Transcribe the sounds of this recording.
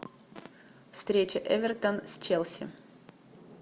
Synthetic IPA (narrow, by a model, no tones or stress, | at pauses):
fst̪ɾʲet͡ɕɪʔɛvʲɛrt̪ənsʲt͡ɕɛlʲˠsʲɪ̰